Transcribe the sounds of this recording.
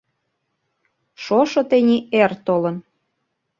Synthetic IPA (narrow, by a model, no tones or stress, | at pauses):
ʃoʃŏt̪enʲiert̪olən